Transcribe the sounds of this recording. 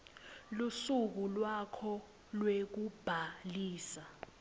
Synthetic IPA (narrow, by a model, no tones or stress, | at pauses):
lusuk̬ulwakʰɔ | lwek̬ub̥ʱaliːsa